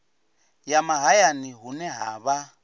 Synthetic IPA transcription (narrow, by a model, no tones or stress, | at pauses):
jamaɦajaniɦunɛɦa̰ːβa